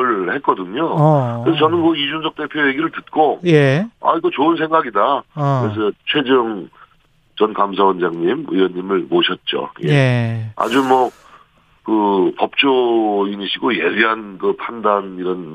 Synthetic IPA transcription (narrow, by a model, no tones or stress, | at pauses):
ɭhet̚k͈ʌdɯɲokɯɾesʰʌt͡ɕʌnɯnkɯid͡ʑunsʰʌk̚t͈e̞pʰjoje̞ɡiɾɯɭtɯt̚k͈ojea̰iɡʌt͡ɕoɯns̬ʰeŋɡaɡidakɾes̬ʰʌt͡ɕʰwe̞d͡ʑɯŋ | t͡ɕʌnkams̬ʰawʌnd͡ʑaŋɲimɯ̰jʌnimɯɭmoɕʰʌt̚t͡ɕ͈o̰jea̰d͡ʑumwʌ | kɯpʌp̚t͡ɕ͈oiniɕʰiɡoje̞biɦankɯpʰandaniɾʌn